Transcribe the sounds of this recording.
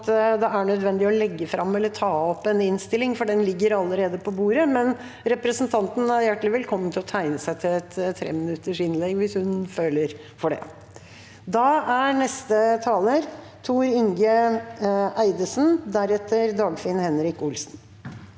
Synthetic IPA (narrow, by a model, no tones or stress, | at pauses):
t̪d̪ɛæɳœd̪ʋɛnd̪ɪɔlɛɡːəfɾɑmːɛlːət̪ʰɑːɔpːɛnɪnst̪ɪlɪŋfɔɖɛnlɪɡːəɾɑlːəɾeːd̪əpʰɔbuːɾəmɛn | ɾɛpɾəsənt̪ʰɑnt̪n̩æɾjæʈːlɪʋɛlkʰɔmːənt̪ʰɪlɔt̪ʰæɪnəsæɪt̪ʰɪlɛt̪t̪ʰːɾḛːmɪnʉt̪ːəʂɪnlɛɡːʋɪshʉnføːləɾ | fɔɖɛ̰ | d̪ɑæɾnɛst̪ət̪ʰɑːləɾ | t̪ʰuːɾɪŋɡə | ʔæɪd̪əsnd̪æɾɛt̪ːəɾd̪ɑːɡfɪənhɛnɾɪkʊlsn